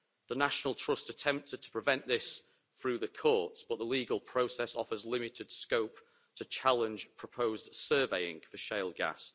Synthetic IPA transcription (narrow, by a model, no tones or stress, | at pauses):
ðənaʃənəlˠtʰɹ̥ʊstətʰɛ̃mp̚tɪd̚tʰə̥pʰɹ̥ɪvɛ̃nʔðɪs | θɹʉːðəkʰɔˑtsb̥ʊʔðəliːɡəlˠpʰɹ̥oʊsɛsɒfəzlɪmɪtʰɪd̥skoʊp̚ | tʰət͡ʃʰalɪ̃nd͡ʒ̥pʰɹ̥əpʰoʊzd̥sɜːveɪɪ̰̃ŋfəʃeɪlˠɡa̰s